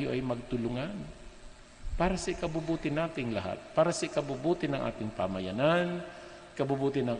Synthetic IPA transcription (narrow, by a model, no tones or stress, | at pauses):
jo̰ʔɐjmɐɡ̚t̪ʊlʊŋan | paːɾasɐʔɪkɐbʊbuːt̪ɪnaːt̪ɪŋlɐ̰ɦa̰t̪̚paːɾasɐʔɪkɐbubuːt̪ɪnɐŋʔa̰ːt̪ɪŋpa̰mɐjanan | kɐbubuːt̪ɪnɐŋ